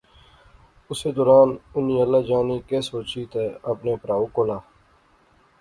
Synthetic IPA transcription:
ʊseːd̪oːɾaːnʊnĩːəlːaːd͡ʒaːniːkeːsoːt͡ʃiːt̪eːəpneːpɾaːoːkoːlaː

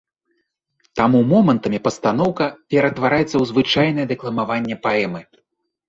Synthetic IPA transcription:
t̪amumɔmɐnt̪ɐmʲipɐst̪an̪ɔwkɐpʲɛɾɐt̪vaɾajɛt̪sːɐwzvɨt͡ʂajnɐjɛd̪ɛklˠɐmavanʲːɛpaɛmɨ

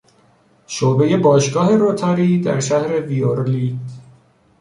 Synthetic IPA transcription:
ʃoːbe̞je̞bɒːʃɡɒːhe̞ɾot̪ʰɒːɾiːd̪æ̰ɾʃæhɾe̞vioɾliːd̪̥

